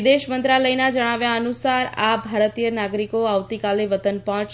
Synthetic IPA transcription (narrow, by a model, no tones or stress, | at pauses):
d̪eʃmənt̪ɾaləjnad͡ʒəɽ̃aʋjaənusaɾabʱaɾət̪ijənaɡɾikoaʋt̪ikaleʋət̪ənpɔ̃t͡ʃ